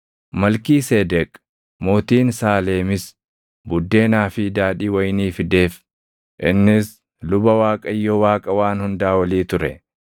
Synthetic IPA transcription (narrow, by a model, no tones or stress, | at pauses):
mɐlkiːseːd̪ɛkʼ | moːt̪iːnsaːle̞ːmɪs | bʊd̪ːe̞ːnaːfɪd̪aːᶑiːwɐjniːfɪd̪e̞ːf | ʔɪnːɪs | lʊbɐwaːkʼɐjːɔwaːkʼɐwaːnhʊnd̪aːwɐliːt̪ʊɾɛ